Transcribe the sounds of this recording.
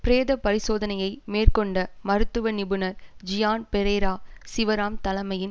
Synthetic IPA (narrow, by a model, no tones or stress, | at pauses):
pɾeːðɐpɐɾɪsoːðɐnɐjɐɪmeːrkɔɳɖɐmɐɾɯt̪ːɯʋɐnɪbɯnɐɾd͡ʒɪjaːnpɛɾeːɾaːsɪʋɐɾaːmt̪ɐlɐmɐjɪn